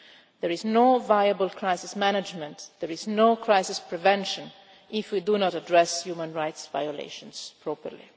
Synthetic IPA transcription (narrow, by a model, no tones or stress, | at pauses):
d̪ɛɹiznovajabəlkʰɹajsɪsmænad͡ʒmɛ̃ntd̪ɛɹiznokɹajsɪspɹɛvɛ̃nʃə̃n | ʔɪfwidunɔtadɹɛsjuːmə̃nɹajtsva̰jɔlḛʃɔ̃nspʰɹɔpə̰ɾlḭ